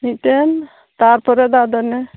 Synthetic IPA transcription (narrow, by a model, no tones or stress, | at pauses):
miten | t̪aɾpɔɾɛd̪ad̪ɔne